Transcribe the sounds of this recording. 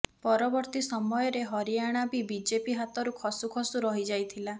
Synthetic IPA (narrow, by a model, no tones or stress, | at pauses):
pɔɾɔbɔɾt̪isɔmɔjɔɾeɦɔɾiaɽ̃abibid͡ʒepiɦat̪ɔɾukʰɔsukʰɔsuɾɔɦid͡ʒajt̪ʰila